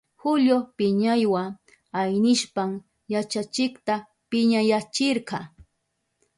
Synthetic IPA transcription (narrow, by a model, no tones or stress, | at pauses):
hʊʎopɪɲajwa | ajnɪʃpaŋ | jat͡ʃat͡ʃɪkt̪a | pɪɲajat͡ʃɪɾqɑ